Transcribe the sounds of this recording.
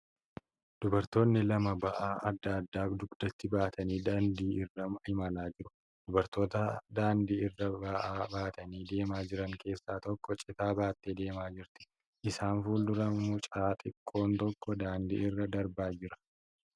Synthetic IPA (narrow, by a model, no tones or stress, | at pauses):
d̪̥ʊbɐɾt̪o̞ːnːɪlɐmɐbɐʔaːʔɐd̪ːɐːd̪ːaːd̪ʊɡd̪̥ɐt̪ːɪbaːt̪ʰɐniːd̪ɐnd̪iːʔɪrːɐmhɪmɐlaːd͡ʒɪɾʊ̥ | d̪̥ʊbɐɾt̪o̞ːt̪ɐd̪aːnd̪iːɪrːɐbɐʔaːbaːt̪ɐniːd̪e̞ːmaːd͡ʒɪɾɐŋke̞ːsːaːt̪ɔkːɔt͡ʃʼɪt̪aːbaːt̪ːeːd̪e̞ːmaːd͡ʒɪɾt̪ɪ̥ | ʔɪsaːnfuːld̪ʊɾɐmʊt͡ʃʼaːt̪ʼɪkʼːo̞ːnt̪ɔkːɔd̪aːnd̪ḭːɪrːɐd̪ɐɾbaːd͡ʒɪɾɐ̥